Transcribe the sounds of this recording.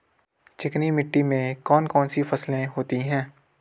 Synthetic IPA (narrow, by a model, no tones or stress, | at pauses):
t͡ʃɪknimɪʈːimẽkɔːnkɔːnsifɐslẽɦoːt̪iɦɛ̃ː